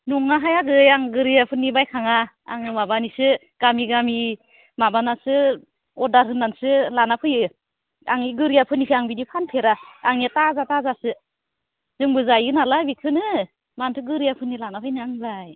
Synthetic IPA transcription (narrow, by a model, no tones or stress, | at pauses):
nuŋaɦajaɡɯjaŋɡɯɾijapʰɯnːibajkʰaŋa̰ː | ŋɯmabanisɯ | ɡ̥amiɡami | mabanasɯ | ɔdaɾhɯnːansɯlanapʰɯjɯ | aŋiɡɯɾijapʰɯnipʰiaŋbinipʰanpʰeɾaːŋiatazatazasɯ | z̥ɯŋbɯzajɯnalabikʰɯnɯ | mantʰɯɡɯɾijapʰɯnːilanapʰɯjnɯaŋbaj